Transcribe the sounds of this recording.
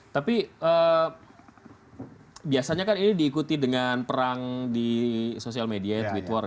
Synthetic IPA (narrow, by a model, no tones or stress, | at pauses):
t̪apiʔə | biasaɲakaninidiːkut̪idəŋanpəɾaŋdisosialmediat̪wit̪wɔr